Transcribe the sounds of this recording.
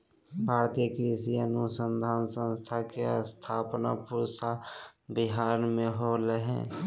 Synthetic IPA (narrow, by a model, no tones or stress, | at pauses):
bʱaːɾt̪ijəkɾisiənusənd̪ʱaːnsə̃nst̪ʰakeəst̪ʰaːpna̰puɾsabiɦaːɾmẽɦoləɦɛ̰̃